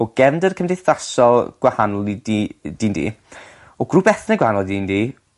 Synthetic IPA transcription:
ɔɡ̥ɛvndərkʰəmdɪθðasɔlˠɡ̥wahanɔlˠidid̥iːndḭː | ɔɡrubɛθnɛɡwahanɔlˠdiːndiː

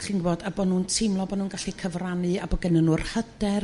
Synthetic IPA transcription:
χinɡboːdabɔnuːntʰɪmlˠɔbɔnuːnɡaɬikʰəvranɨabɔɡɛnənurhədɛr

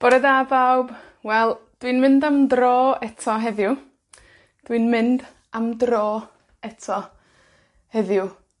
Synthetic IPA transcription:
b̥ɔɾədabawb | wɛlˠd̥winmɪndamdrɔːɛtʰɔɦɛðjʊ | d̥winmɪnd | amdrɔː | ɛtʰɔ | hɛðjʊ

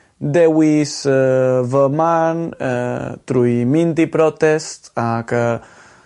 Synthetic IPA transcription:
d̪ewis | vəman | t̪ɾuimint̪ipɾɔt̪ɛst̪akə

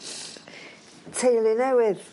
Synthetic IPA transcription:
tʰejlˠinɛwɪð

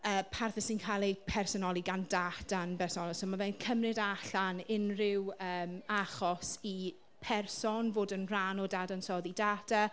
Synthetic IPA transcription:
əːpʰarθɛsɪnkʰalˠepʰɛrsɔnɔlˠiɡandatanbɛrsɔnɔsomavɛnkʰəmrɪdaɬanɪnrɪwəːmaχɔsi | pʰɛrsɔnvoːdənranɔdadansɔːðidata

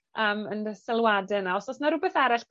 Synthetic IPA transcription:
ʔəːmənsɛlˠwadɛnaɔsɔsnaɾʊbɛθɛɾɪɬp

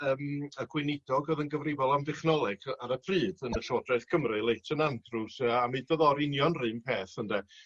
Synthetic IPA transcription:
əːməɡwɪnɪdɔɡɔðənɡəvrɪvɔlˠamdɛχnɔlˠɛɡ̥aɾəpʰriːdənəɬɔdraɨθkʰəmrɨlˠejtʰənandrusəamɨdɔðɔɾɪnjɔnrɨːnpʰeːθəndɛ

